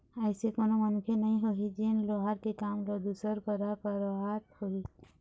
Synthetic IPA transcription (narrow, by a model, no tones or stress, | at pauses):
ajsekonomɔnũkʰenəĩɦoɦid͡ʒenloɦaɾkekamɾɔd̪usɔɾkɔɾakɔɾɔaɾhoɦi